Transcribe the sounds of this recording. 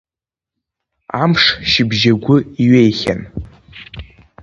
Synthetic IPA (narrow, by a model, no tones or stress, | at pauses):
amʂʃɪbʒaɡʷʊiɥejχʲa̰n